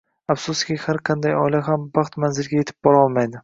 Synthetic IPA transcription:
afsʊskʲɪhaɾqʰɑnd̪ajɒjlaɦambɑχt̪manzɪlɡʲaje̞t̪ʰɪ̥p̚bɒɾɒlˠmajd̪ɪ

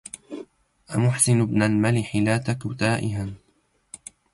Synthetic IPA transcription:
ʔamʊħsɪnʊbnalmalɪħɪlaːt̪akʊt̪aːʔɪɦan

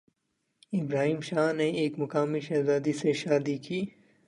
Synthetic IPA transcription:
ɪbɾaːɦiːmʃaːneeːkmɐkaːmiʃɐzaːd̪iseʃaːd̪ikiː

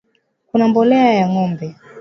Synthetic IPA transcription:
kunambɔlɛajaŋɔmbɛ

